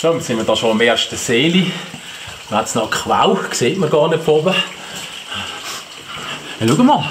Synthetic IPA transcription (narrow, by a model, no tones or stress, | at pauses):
ʃonsɪnmədɑːʃoɪmeːɾʃtəseːli | mhatsnɔkχʋa̰wkseːtməɡɑːɾnetfɔbə | luɡəməl